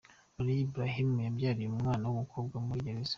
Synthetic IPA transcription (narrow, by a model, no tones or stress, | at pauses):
oɾiːbɾaɦimujabjaːɾijumŋaːnawumukʰo̞b̚ɡwamuɾiɟeɾez̥ḁ